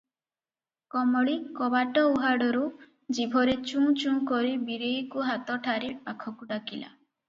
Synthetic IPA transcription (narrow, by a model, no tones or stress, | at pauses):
kɔmɔɭikɔbaʈɔuɦaɽɔɾu | d͡ʒibʱɔɾet͡ʃũt͡ʃũkɔɾibiɾejkuɦat̪ɔʈʰaɾipakʰɔkuɖakila̰